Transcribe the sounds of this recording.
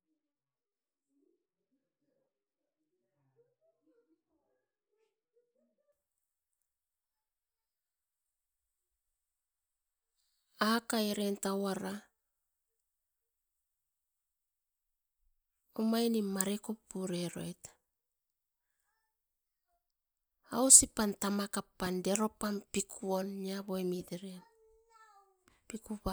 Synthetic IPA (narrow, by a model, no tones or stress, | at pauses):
akaeɾentawaɾa | omajnimaɾeko̞pːuɾe̞ɾo̞jt | a̰wsipantamakapːande̞ɾo̞panpikʰuo̞niaboemideɾen | pikuβa